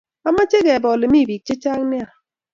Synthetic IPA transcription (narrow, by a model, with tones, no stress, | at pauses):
a˦ma˦t͡ʃe˦ɡɛ˨bɔ˨le˨mi˦˨bi˨k̚t͡ʃe˦t͡ʃa˦ŋ˦ni˦a˨